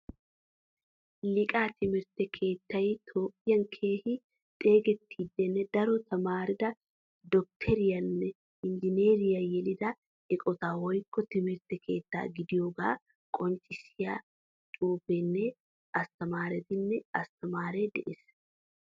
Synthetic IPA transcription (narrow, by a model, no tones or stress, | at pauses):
lɪkʼaːt̪ɪmɪɾt̪ɛkʰe̞ːt̪ːɐjt̪ʰoːpʼːɪjɐnkʰe̞ːhɪ | t̪ʼe̞ːɡɛt̪ʰːiːd̪ːɛnːɛd̪ɐɾɔt̪ʰɐmaːɾɪd̪ɐ | d̪ɔk̚t̪ʰɛɾɪjɐnːɛ | ɪnd͡ʒɪneːɾɪjɐjɛlɪd̪ɐ | ɛkʼɔt̪aːwɔjkːɔt̪ɪmɪɾt̪ːɛkʰe̞ːt̪ːa̰ːɡɪd̪ɪjoːɡa̰ː | kʼɔnt͡ʃʼːɪsɪja | t͡ʃʼuːpɛnːɛ | ʔɐst̪ɐmaːɾɛt̪ɪnːɛɐst̪ɐmaːɾɛd̪ɛ̰ʔɪs